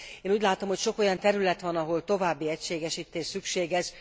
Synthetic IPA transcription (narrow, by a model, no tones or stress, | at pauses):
eːnuːɟʲlaːt̪o̞mho̞cʃo̞ko̞jɒnt̪ɛɾylɛt̪ʋɒnɒɦo̞lt̪o̞vaːbːiɛcʃeːɡɛʃiːt̪eːʃsykʃeːɡɛʃ